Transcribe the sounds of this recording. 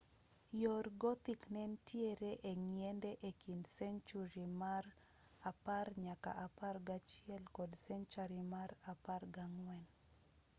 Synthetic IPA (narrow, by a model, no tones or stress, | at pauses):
jorɡɔt̪iknɛntjeɾeʔeŋiɛndɛʔekindsɛnt͡ʃuɾimar | aparɲaka̰ʔaparɡat͡ʃjɛlkɔdsɛnt͡ʃaɾimaɾaparɡaŋwɛn